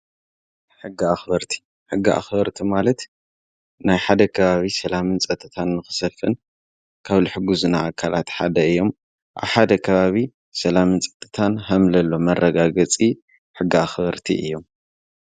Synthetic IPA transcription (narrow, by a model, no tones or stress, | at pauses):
ħɨɡːɨaxbɐɾt̪ʰi̥ | ħɨɡːɨʔa̰xbɐɾt̪ʰimalɐt̪ | najħad̪ɐkʰɐβaβisɐlamɨnt͡sʼɐt̪ʼʰːɨt̪ʰanːɨxɨ̥sɐfɨn | kʰaβlɨħɨɡuzunaʔakʰalat̪ħad̪ɐɨjːo̞m | ʔa̰βħad̪ɐkʰɐβaβi | sɐlamɨnt͡sʼɐ̥t̪ʼːɨt̪ʰanɦɐmlɐlːo̞mɐrːɐɡaɡɐt͡sʼi | ħɨɡːɨaxbɐɾt̪ʰḭʔɨ̰jːo̞m